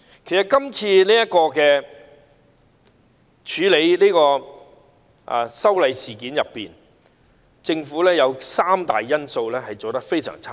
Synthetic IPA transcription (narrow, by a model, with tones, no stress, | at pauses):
kʰe˨˩jsɐ˨˩kɐ˥mt͡sʰiː˧niː˥jɐ˥kɔː˧kɛː˧ | t͡ʃʰyː˨˧le˨˧jliː˥kɔː˧ | ʔa̰˨sɐ˥wlɐ˨˧jsiː˨˩kiː˨˥njɐ˨pːiː˨n | t͡sɪ˧ŋfuː˨˥lɛː˥jɐ˨˧wsaː˥mt̪a̰ː˨jːɐ˥nso˧wlɛː˥hɐ˨jt͡so˨wt̪ɐ˥k̚fe˥jsœ̰ː˨˩ŋt͡sʰaː˥